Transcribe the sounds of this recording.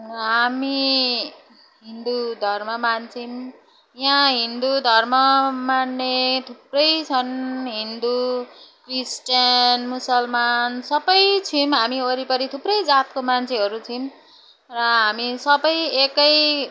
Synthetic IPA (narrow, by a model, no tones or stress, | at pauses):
ɦami | ɦind̪ud̪ʱʌrmʌmant͡sʰim | jãɦind̪ud̪ʱʌrmʌmanːet̪ʰuprʌjt͡sʰʌnɦind̪ukrisʈʌnmusʌlmansʌbʌjt͡sʰimɦamioɾipʌɾit̪ʰuprʌjd͡zat̪̚komant͡sʰeɦʌɾut͡sʰim | rʌɦamisʌbʌjekʌj